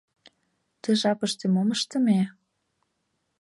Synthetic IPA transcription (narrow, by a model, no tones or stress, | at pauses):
t̪ɤ̆ʒɑpə̆ʃt̪emoməʃt̪ə̆me